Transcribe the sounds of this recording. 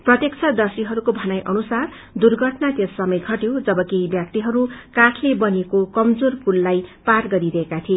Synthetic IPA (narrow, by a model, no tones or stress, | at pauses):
prʌt̪jekt͡sʰʌd̪ʌrsiɦʌɾukobʱʌnajʔʌnusar | d̪urɡʱʌʈnat̪esːʌmʌjɡʱʌʈjed͡zʌbʌkejbjak̚t̪iɦʌɾukaʈʰlebʌnekokʌmd͡zorpulːajparɡʌɾiɾʌɦekat̪ʰie